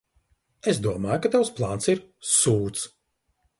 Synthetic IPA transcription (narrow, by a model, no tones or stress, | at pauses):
esd̪uɔmaːjukat̪awsplˠaːnsiɾsuːt̪s